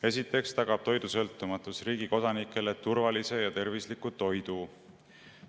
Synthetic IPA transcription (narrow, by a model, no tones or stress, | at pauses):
e̞sit̪ːˑe̞kst̪ɑɡɑb̥t̪o̞jd̪̥usɤ̞lt̪ːˑumɑt̪ˑusriːɡ̥iko̞d̪̥ɑnikːˑe̞le̞t̪urvɑlise̞jɑt̪e̞rvislikut̪o̞jd̪̥u